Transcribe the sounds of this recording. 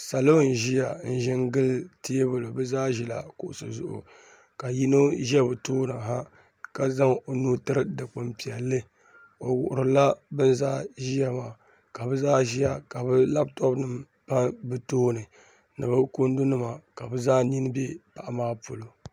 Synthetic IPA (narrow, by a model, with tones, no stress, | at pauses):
sa˨lo˦n˨ʒi˦ja˨n̩˦ʒɪ˦nɡɨ˦lti˦bʊ˨lo˨bɨ˦zaː˦ʒi˦la̰˨kʊ˨ʔʊ˨sɨ̰˨zʊ̰˦ʔʊ̰˨ | ka˨ji˦no˦ʒɛ˦bɨ˨toː˦nɨ˨ɦa˦ | ka˦za˦ŋo˨nuː˦tɨ˦ɾɨ˦dɨ˨k͡pɨ˨mpi˨ɛ˨lːɨ˦ | o˨wʊ̰˨ʔʊ˨ɾɨ˨la˦bɨ˦n˦zaː˦ʒi˦ja˦maː˨ | ka˨bɨ˦zaː˦ʒi˦ja˨ka˨bɨ˦la˦b̚tɔ˦bnɨ˨m | pa˦nbɨ˨toː˦nɨ˨ | nɨ˨bɨ˦ko˦n˦du˦nɨ˦ma˨ka˨bɨ˦zaː˦ɲi˦nɨ˦be˦pa˨ʔa˨maː˦po˨lo˨